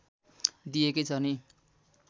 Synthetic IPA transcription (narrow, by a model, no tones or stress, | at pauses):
d̪iekʌjt͡sʰʌni